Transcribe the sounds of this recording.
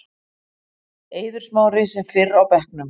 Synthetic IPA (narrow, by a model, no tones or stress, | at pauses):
eːjðʏɾ̥smaːwɾɪsɛmfɪrawpɛhknʏm